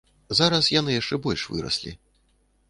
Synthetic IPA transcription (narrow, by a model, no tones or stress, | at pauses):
zaɾɐsjanɨjaʂt͡ʂɛbɔlʲʂvɨ̰ɾɐ̰sʲlʲḭ